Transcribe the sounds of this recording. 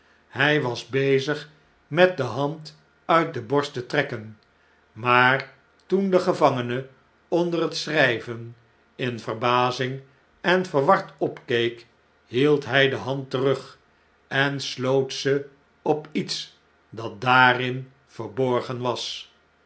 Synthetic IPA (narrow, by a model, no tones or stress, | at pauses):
hɛjʋɑzbejzəχ | mɛt̚dəɦɑnt | œɥt̚dəbɔɹstətrɛkən | maːɹ | tundəχəvɑŋənə | ɔndərətsrɛjvən | ɪnvərbaːzɪŋ | ɛnvəɹʋɑɹtɔpkejk | ɦilˠtɦɛjdəɦɑntərɵχ | ɛnslowtsə | ɔpits | dɑt̚daːrɪn | fəɹbɔɹχənʋɑs